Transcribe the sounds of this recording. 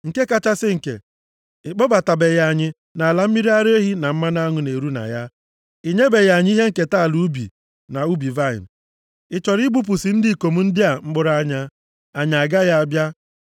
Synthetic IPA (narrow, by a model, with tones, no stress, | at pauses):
ŋ̩˨ke˦ka˦t͡ʃa˦sɪ˦ŋ̩˨kḛ˨ | ɪ˨k͡pɔ˦ba˨ta˨be˨ja˨˦˨ɲɪ˦ | na˨a˨la˨m̩˦mi˦ɾi˦a˦ɾe˦ɦi˦na˨m̩˦ma˦na˦ŋʊ˨ne˨ɾu˦na̰˨ja˦ | i˨ɲe˦be˨ja˨ɲ˦i˦ɦe˦ŋ̩˨ke˨ta˦˨lu˦u˦bḭ˨ | na˨u˦bi˨va˦ɪ̰˨n˨ | ɪ˨t͡ʃɔ˨ɾi˦ɡ͡bu˦p̬ʊ˨sɪ˨n̩˦dɪ˦˨ko˨mu˦n̩˦dɪ˦a˨ŋ͡m̩˦ɡ͡bʊ˦ɾa˦ɲa˦ | a˨ɲa˨a˨ɡa˦ja˦a˦bja˦